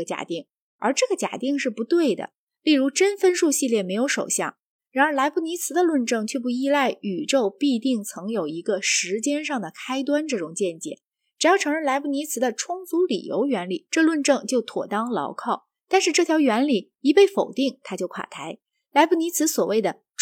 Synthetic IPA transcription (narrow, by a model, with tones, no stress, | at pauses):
ə˩t͡ɕja̰˨˩t̪i˥˩ŋ | ə̰˞˧˥ʈ͡ʂɤ˥˩ɡə˩t͡ɕja̰˨˩t̪i˥˧ŋʂɻ̩˥˩pu˧˥t̪we˥˩ɪd̪ə̰˩ | li˥˩ɻu˧˥ʈ͡ʂə˥nfə˥nʂu˥˧ɕi˥˧ljɛ˥˩me˧˥ɪjo˧˥ʊʂo˨˩ʊɕjɑ̰˥˩ŋ | ɻa˧˥nə˞˧˥la˧˥ɪpu˥˩ni˧˥t͡sʰɹ̩˧˥d̪ə˧lwə˥˧nʈ͡ʂɤ˥˧˩ŋt͡ɕʰɥɛ˥˧˩p̬u˥˧i˥˧la˥˩ɪy˨˩ʈ͡ʂo˥˧ʊpi˥˧t̪i˥˩ŋt͡sʰɤ˧˥ŋjo˨˩ʊi˧˥ɡə˧ʂɻ̩˧˥t͡ɕjɛ˥nʂɑ˥˩ŋd̪ə˩kʰa˥ɪt̪̬wa˥nʈ͡ʂɤ˥˩ʈ͡ʂʊ˨˩ŋt͡ɕjɛ˥˩nt͡ɕjɛ̰˨˩˦n | ʈ͡ʂ̩˨˩jɑ˥˩ʊʈ͡ʂʰɤ˧˥ŋɻə˥˩nla˧˥ɪpu˥˩ni˧˥t͡sʰɹ̩˧˥d̪ə˧ʈ͡ʂʰʊ˥ŋt͡su˧˥lḭ˨˩jo̰˧˥ʊɥɛ˧˥nli˨˩˦ʈ͡ʂɤ˥˧lwə˥˧nʈ͡ʂɤ˥˧ŋt͡ɕjo˥˩ʊt̪ʰwɔ̰˨˩t̪ɑ˥ŋlɑ̰˧˥ʊkʰɑ˥˩ʊ | t̪a˥˧nʂɻ̩˥˧ʈ͡ʂɤ˥˩t̪ʰjɑ˧˥ɥɛ˧˥nli˨˩˦ | i˧˥pe˥˩ɪfo˨˩ʊt̪i˥˩ŋt̪ʰa˥t͡ɕjo˥˩ʊkʰwa̰˨˩t̪ʰa˧˥ɪ | la˧˥ɪpu˥˩ni˧˥t͡sʰɹ̩˧˥swɔ˨˩we˥˩ɪd̪ə˩ | ʈ͡ʂ